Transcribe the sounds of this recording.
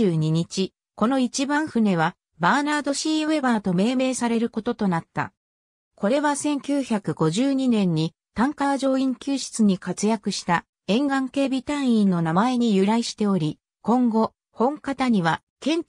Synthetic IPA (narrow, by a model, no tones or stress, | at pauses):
ɨːɲ̟iɲ̟it͡ɕi | ko̞no̞it͡ɕibãɰ̃ɸɯ̟ne̞βa | baːnaːd̪o̞ɕiːβe̞baːt̪o̞me̞ːme̞ːsaɾe̞ɾɯ̟ko̞t̪o̞t̪o̞nat̪ːa̰ | ko̞ɾe̞βasẽ̞ŋkʲɨːçakɯ̟ɡo̞ʑɨːɲ̟inẽ̞ɲ̟ːi | t̪ãŋkaβʑo̞ːĩŋkʲɨːɕi̥t͡sɨɲ̟ikat͡sɨjakɯ̟ɕi̥t̪a | ẽ̞ŋɡãŋke̞ːbʲit̪ãɰ̃ĩnːo̞namae̞ɲ̟ijɯ̟ɾaiɕi̥t̪e̞o̞ɾʲi | kõ̞ŋɡo̞ | hõ̞ŋkat̪aɲ̟iβa | kẽ̞ɲ